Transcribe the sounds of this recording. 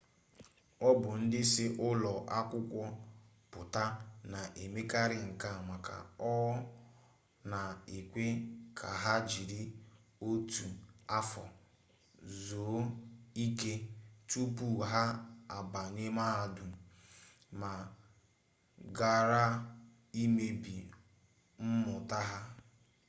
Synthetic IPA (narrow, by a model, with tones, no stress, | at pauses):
ɔ˦bʊ˨n̩˦dɪ˦sɪ˦ʔʊ˦lɔ˨ʔa˦kʷʊ˦kʷɔ˦ | pʊ˨ta˦na˨ʔe˨me˦ka˦ɾɪ˨ŋ̩˨ka˦˨ma˨ka̰˨ɔ˦ | na˨e˨kʷe˦kʰa˨ɦa˦d͡ʒi˨ɾɪ˦o˦tu˨a˦fɔ˨ | zoː˨˦i˦ke˦tu˦pu˦ɦa˦a˨ba˨ɲe˦ma˦ɦa˦du˨ | ma˨ | ɡa˦˨ɾa˦ | i˦me˨bi˨ | m̩˦mʊ˨ta˦ɦa˦